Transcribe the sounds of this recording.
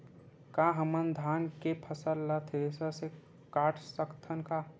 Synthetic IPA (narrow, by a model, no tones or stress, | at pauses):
kaɦəmənd̪ʱaːnkepʰəsəlːat̪ʰed̪esase | kaːʈʰsəkt̪ʰənka